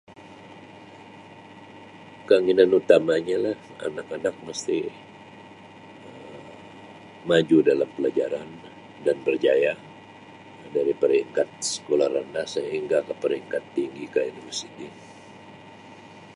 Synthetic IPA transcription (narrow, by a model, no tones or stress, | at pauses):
kaŋinanut̪amaɲalaha̰nakanak̚məst̪i | ə | mad͡ʒudalampəlad͡ʒaɾan | danbərd͡ʒaja | daɾipəɾiŋkat̪̚sə̥kolarandasəɦiŋɡakəpəɾiŋkat̪ːiŋɡikainusini